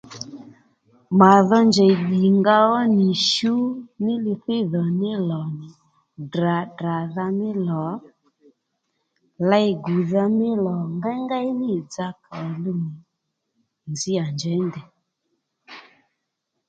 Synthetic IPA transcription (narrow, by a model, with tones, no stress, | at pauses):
ma˨ðɔ˦nd͡ʒɛ˨ɗi˨ŋɡa˧ɔ˦nɪ˨ʃu˦nɪ˦lɪ˧θɪ˦ðɔ˨nɪ˦lɔ˨nɪ˨ | dra˨da˨ða˧mɪ˦lɔ˨˦ | la˦jɡu˨ða˧mɪ˦lɔ˨ŋɡa˦ŋɡa˦nɪ˦˨d͡za˧ka˨lu˦ni˨ | nzɪ˦a˨nd͡ʒɛ˨˦ndɛ˨